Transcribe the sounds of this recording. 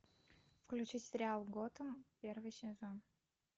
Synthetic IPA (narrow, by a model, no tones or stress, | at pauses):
fklʲʉt͡ɕitʲsʲɾʲɪalˠɡot̪əmpʲervɨjsʲɪzon